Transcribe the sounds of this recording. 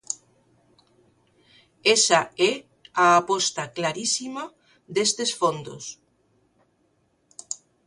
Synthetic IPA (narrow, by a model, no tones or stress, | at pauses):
esaɛ | aːpost̪aklaɾisima | ðest̪esfond̪o̰s